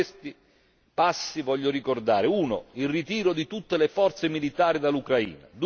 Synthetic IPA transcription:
st̪i | pasːivɔʎːoɾikord̪aːɾɪuːnoilrit̪iːɾod̪it̪ut̪ːelefɔrt̪semilit̪aːɾid̪alukɾaḭːna̰d̪

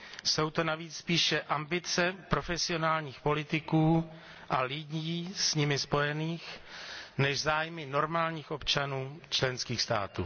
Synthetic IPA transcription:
so̞wt̪o̞naviːt͡sspiːʃɛʔambɪt͡sɛpɾo̞fɛsɪo̞naːlɲiːxpo̞lɪt̪ɪkuː | ʔalɪɟiːsɲɪmɪspo̞jɛniːx | nɛʃzaːjmɪno̞ɾmaːlɲiːxʔo̞pt͡ʃanuːt͡ʃlɛnskiːxst̪a̰ːt̪ṵː

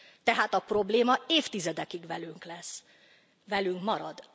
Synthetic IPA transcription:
t̪ɛɦaːt̪ɒpro̞bleːmɒeːft̪izɛd̪ɛkiɡvɛlyŋklɛsː | vɛlyŋkmɒɾɒd̪

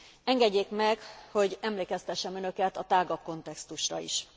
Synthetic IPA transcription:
ɛŋɡɛɟːeːkmɛkho̞ɟɛmleːkɛst̪ɛʃːɛmønø̞kɛt̪ɒt̪aːɡɒko̞nt̪ɛkst̪uʃrɒ̰ḭʃ

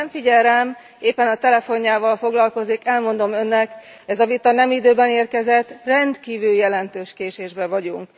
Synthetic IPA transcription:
ɱfiɟɛɾɛm | eːpːɛnɒt̪ɛlɛfo̞ɲːaːvɒlfo̞ɡlɒlko̞zikɛlmo̞nd̪o̞mø̞nːɛk | ɛzɒvit̪ɒnɛmid̪øːbɛneːrkɛzɛt̪ːrɛnt̪kiːvyljɛlɛnt̪øːʃkeːʃeːʒbɛvɒɟuŋk

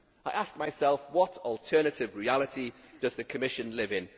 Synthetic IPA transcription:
aɪʔask̚maɪsɛlˠfwɒtʰɔlˠtʰɜːnətɪvɹialɪtʰid̥ʌzðɨkʰəmɪʃə̃nlɪvɪ̃n

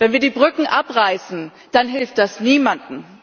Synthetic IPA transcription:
vɛnviːɐɾiːbʁʏkŋ̩ʔapʁaɪsn̩ | d̥anɦɪlft̚d̥asniːmandn̩

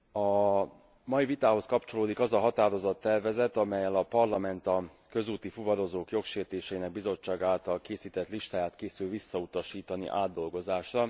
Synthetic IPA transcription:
ɒ | mɒivit̪aːɦo̞skɒpt͡ʃo̞loːd̪ikɒzɒɦɒt̪aːɾo̞zɒt̪ːɛrvɛzɛt̪ɒmɛjːɛlɒpɒrlɒmɛnt̪ɒ | kø̞zuːt̪ifuvɒɾo̞zoːkjo̞kʃeːrt̪eːʃɛinɛɡ̚bizo̞t͡ʃːaːɡaːlt̪ɒlkeːsiːt̪ɛt̪liʃt̪aːjaːt̪keːsylvisːɒut̪ɒʃiːt̪ɒnḭʔaːd̪ːo̞lɡo̞zaːʃrɒ

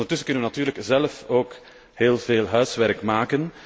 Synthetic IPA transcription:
ndərtʏsənkɵnənʋənatyːrləkzɛlfoːk | ɦeːlˠv̥eːlˠɦœɥsʋɛrkmaːkən

